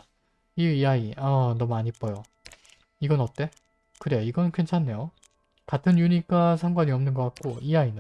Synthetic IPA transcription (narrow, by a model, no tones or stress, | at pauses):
iiaiʌnʌmuaɲip͈ʌjo | iɡʌnʌt͈e̞ | kɯɾe̞joiɡʌnkʰwe̞nt͡ɕʰanːe̞jo | katʰɯnjuɲik͈asʰaŋɡwaɲiʌmnɯnɡʌk͈ak̚k͈oiain